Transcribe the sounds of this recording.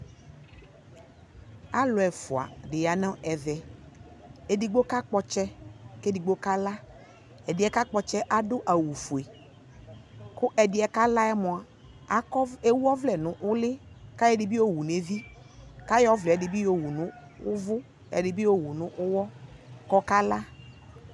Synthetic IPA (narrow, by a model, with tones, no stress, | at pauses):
a˦lʊ˨ɛ˨fʊ˨a̰˨ɖɪ˨ja˨nã˦ʔɛ˨vɛ˨ | e˨di˨ɡ͡bo˦ka˦k͡pɔ˦t͡ʃɛ˦ke˦di˨ɡ͡bo˦ka˦la˦ | ɛ˨dɪ˨˦ɛ˨ka˦k͡pɔ˨t͡ʃɛ˦ʔa˨dʊ˦ʔa˨wu˨fu˨e˨ | kʊ˦ʔɛ˨dɪ˨˦ɛ˨ka˦la˦ɛ˦mɔ̃˨a˨ | a˨˦e˦wu˦ɔ˦vlɛ˨nʊ̃˨ʔʊ˦lɪ˦ | ka˦jɛ˦dɪ˨bi˦wo˦wu˨ne˨vi˦ | ka˦jɔ˦vlɛ˨ɛ˨dɪ˨bi˦jo˦wu˨nʊ̃˦ | ʊ˦vʊ˦ | ɛ̰˨dɪ˨bi˦wo˦wu˨nʊ̃˦ʔʊ˦wɔ˦kɔ˦ka˦la˦